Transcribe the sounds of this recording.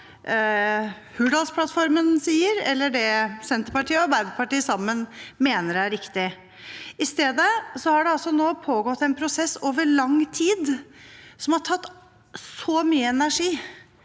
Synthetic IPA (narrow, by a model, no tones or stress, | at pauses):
hʉːɖɑlspʰlɑt̪fɔɾmənsiːəɾɛ̰lːəɖɛsɛnt̪əɾpɑʈʰiːəɔɑɾbæɪd̪əpɑʈiːəsɑmːənmeːnəɾææɾɪkt̪ɪ | ɪst̪eːd̪əsɔhɑɖɛɑlsɔnoːpʰoːɡɔt̪ːɛnpʰɾʊsɛsːoːʋəɾɭɑŋt̪ʰiːd̪ | sɔmhɑʈʰɑt̪ː | soːmyːəɛnæʂiː